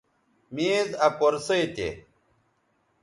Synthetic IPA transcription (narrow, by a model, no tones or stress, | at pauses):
miːzɐpoɾsɐjt̪ḛ